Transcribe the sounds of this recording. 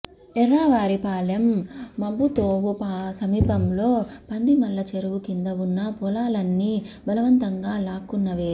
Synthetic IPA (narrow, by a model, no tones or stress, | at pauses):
ɛɾːaːʋaːɾipaːljɐmːɐbːut̪oːʋupaːsɐmiːpɐmlo̞ːpɐnd̪imɐlːɐt͡ʃeɾuʋukind̪ɐʋunːɐpɔlaːlɐnːibɐlɐʋɐnt̪ɐŋɡaːlaːkːunːɐʋeːu